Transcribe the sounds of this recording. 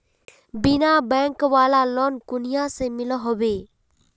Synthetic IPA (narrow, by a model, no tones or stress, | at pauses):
bɪnabɛ̃ːŋkʋaːlalɔnkʊnijasemɪloɦʊʋeː